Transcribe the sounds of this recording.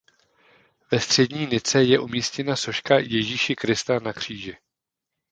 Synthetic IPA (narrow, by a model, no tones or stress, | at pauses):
vɛst̪r̝̥ɛdɲiːnɪt͡sɛjɛʔumiːscɛnaso̞ʃkajɛʒiːʃɪkɾɪst̪anakr̝̥iːʒɪ